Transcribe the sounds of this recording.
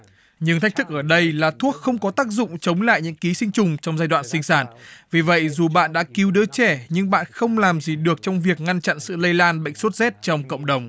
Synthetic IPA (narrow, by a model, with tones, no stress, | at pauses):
ɲɨ˧ŋt̪ʰk̚t̪ʰɨ˦˥k̚ʔəː˧˩ɗə˧jlaː˨˩t̪ʰu˦˥ək̚xə˧wŋ͡mkɔ˨˦t̪aː˦˥k̚zʊ̰˧˨ŋ͡mt͡ɕə˨˦wŋ͡mla̰ː˧˨jɲɨ̰˧˥ŋki˨˦sï˧ŋ̟t͡ɕʊ˨˩ŋ͡mt͡ɕɔ˧wŋ͡mzaː˧jɗwa̰ː˧˨nsï˧ŋ̟saː˧˩nvi˨˩və̰˧˨jzu˨˩ɓa̰ː˧˨nɗa̰ː˧˥ki˨˦wɗɨ˨˦t͡ɕɛ˧˩ɲɨ˧ŋɓa̰ː˧˨nxə˧wŋ͡mlaː˨˩mzi˨˩ɗɨ˨˩ək̚t͡ɕɔ˧wŋ͡mvi˨˩ək̚ŋa˧nt͡ɕa̰˧˨nsɨ̰˧˨lə˧jlaː˧nɓə̰˧˨ŋsu˦˥t̚zɛ˦˥t̚t͡ɕɔ˧wŋ͡mkə̰˧˨wŋ͡mɗə˨˩wŋ͡m